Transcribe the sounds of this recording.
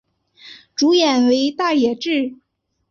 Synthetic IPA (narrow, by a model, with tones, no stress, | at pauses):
ʈ͡ʂu˧˥jɛ˨˩nwe˧˥ɪt̪a˥˩jɛ˨˩ʈ͡ʂɻ̩˥˩